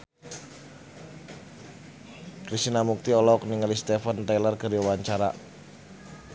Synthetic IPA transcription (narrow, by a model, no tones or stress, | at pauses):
kɾisinamuk̚t̪iɔlɔkniŋalist̪ɛfənt̪ɛlərɡəɾiwaɲt͡ʃaɾa̰